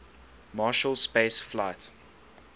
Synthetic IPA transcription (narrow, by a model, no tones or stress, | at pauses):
mɑːʃəlˠspeɪsflaɪt